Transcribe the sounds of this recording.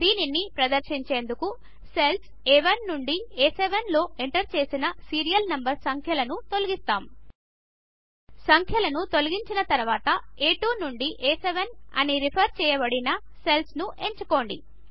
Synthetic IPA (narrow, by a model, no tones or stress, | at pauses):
d̪iːninipɾɐd̪ɐɾʃiɲt͡ʃe̞ːnd̪uku | sels | eʋɐnːuɳɖieːseʋɐnlo̞ːeɳʈɐɾt͡ʃe̞ːsinɐsiːɾijɐlnɐmbɐɾsɐŋkʰjɐlɐnut̪o̞lɐɡist̪aːm | sɐŋkʰjɐlɐnut̪o̞lɐɡiɲt͡ʃinɐt̪ɐɾɐʋaːt̪ɐeːʈuːnuɳɖiʔeːseʋɐnɐ̰niɾipʰɐɾt͡ʃɛːjɐbɐɽinɐ | se̞lsnuʔe̞ɲt͡ʃuko̞ːɳɖḭ